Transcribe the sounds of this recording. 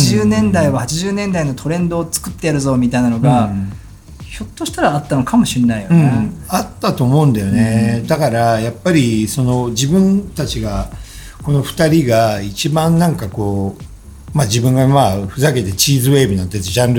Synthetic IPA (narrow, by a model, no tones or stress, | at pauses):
iʑɨːnẽ̞nd̪aiβahat͡ɕiʑɨːnẽnd̪ainot̪ʰo̞ɾẽ̞nd̪o̞ːt͡sɨ̥kɯ̟t̪ːe̞jaɾɯ̟zo̞ːmʲit̪ainano̞ɡa | ço̞t̪ːoɕi̥t̪aɾaːt̪ːano̞kʰamo̞ɕĩnːaijoɯ̃eat̪ːat̪o̞ːmo̞ɯ̟̃nd̪ajo̞ne̞d̪akaɾajapːaɾʲiso̞no̞d͡ʑibɯ̟̃nt̪at͡ɕiɡa | ko̞no̞ɸɯ̥t̪aɾʲiɡait͡ɕibãnːãŋkako̞ː | mad͡ʑibɯ̟̃ŋɡamaɸɯ̟zake̞t̪e̞t͡ɕiːzɨβe̞ːbinat̪ːetoʑãnɾ